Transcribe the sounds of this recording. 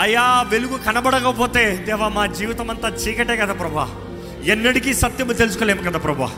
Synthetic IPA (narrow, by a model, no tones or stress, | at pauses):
ɐjːaːʋeluɡukɐnɐbɐɽɐkɐpoːt̪eːd̪ɛːʋamaːd͡ʒiːʋit̪ɐmɐnt̪ɐt͡ʃiːkɐʈeːkɐd̪apɾɐbʱɐa̰ | enːɐɽikisɐt̪jɐmɐt̪elusu̥koːleːmukɐd̪apɾɐbʱɐa̰